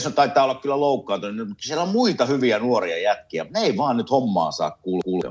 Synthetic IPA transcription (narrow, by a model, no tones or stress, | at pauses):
snt̪ɑˑit̪ːˑɑːolːɑkkylːæloˑukːɑːˑnt̪unnmut̪ːsielæommuit̪ɑhyʋiænuoriɑjæt̪kiæ̰mut̪neeˑiʋɑːnnyt̪homːɑ̰ːnsɑ̰ːkkuːlkuːl̰